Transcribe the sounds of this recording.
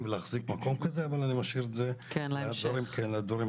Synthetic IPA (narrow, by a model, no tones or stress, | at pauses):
mvelaχzikmako̞mkazeavalanimaʃiɾezekadvaɾimkʰenlead̪vaɾi